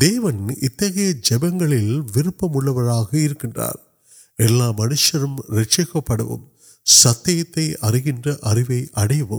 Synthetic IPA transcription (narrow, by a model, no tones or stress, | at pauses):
d̪eːʋɐnɪt̪ːɐɣɐjɐd͡ʒɛbɐŋɡɐɭɪlʋɪɾɯpːɐmʊɭːɐʋɐɾaːɣɐɪɾɯkːɪndra̰ːɾ | ɛlːaːmɐnɯʂɐɾɯmɾɛʈt͡ʃɐkːɐpːɐɽɐ̰ʋɯ̰m | sɐt̪ːɐjɐt̪ːɐɪʔɐrɪɣɪndrɐʔɐrɪʋɐɪʔɐɽɐjɐʋɯm